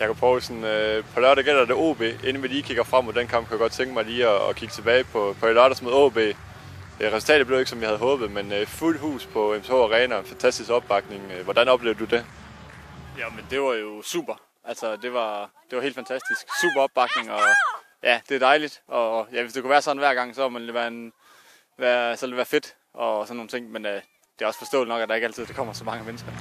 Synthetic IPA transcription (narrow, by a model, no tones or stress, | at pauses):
jɑɪkʰupʰʁɔʊsɒnøpʰɒ̽lɶɐɾ̥eɡ̥el̰ɐd̥e̝o̝̰ːb̥e̝̰ːe̝nəmeliːkʰiɡ̥ɐfʁɑ̈m̰od̥enkʰɑ̈mb̥̚kʰujaɡ̥ɒ̥̽t͡sʰeŋɡ̥əmɑ̈ɪliːɒ̰ːkʰiɡ̥ə̥t͡sʰeb̥ɛːɪpʰɒ̽pʰɒ̽elɶɐɾ̥ɐsmo̝ðˠo̰b̥e̝̰ː | ʁɛsul̩t͡sʰɛ̰ːd̥ð̩b̥le̝e̝ɡ̥sɒ̽mʋihæð̞̩ˠɦɔ̽ːb̥ð̩ˠmenøful̰d̥ɦṵːspʰɒ̽emʰo̰ɒʁɛːnɐenfænt͡sʰæsd̥isɡ̥ɒ̽b̥̚ɑ̈ɡ̥ne̝ŋʋɒd̥ænɒ̽b̥le̝ʊɐd̥ud̥e | jæmend̥e̝ʋɑ̈jo̝sṵːb̥ɐ | ʔæl̰sɒd̥e̝ʋɑ̈d̥e̝ʋɑe̝̰ːl̥dfænt͡sʰæsd̥isɡ̥sṵːb̥ɐɒ̽b̥ɑ̈ɡ̥ne̝ŋɒ̽ | jʔæd̥e̝æd̥ɑ̈ɪlid̥ʔɒ̽jæʋe̝sd̥e̝kuʋæːɐsɒ̽dn̩ʋæɐ̰ɡ̥ɑ̈ŋ̰sɒ̽æmænoʋæɐn | ʋæɐsɒʋeld̥eʋæːɐfe̝d̥ | ʔɒ̽sɒ̽nːo̝ːn̩t͡sʰe̝ŋ̰menø | d̥e̝æɒ̽sfɒ̽sd̥ɔ̰ːli̥nɒ̽ɡ̥æd̥ɑe̝ɡ̥ælt͡sʰið̰ˠd̥ɑkʰɒ̽m̰ɐsɒ̽mɑ̈ŋəmenəsɡ̥ɐ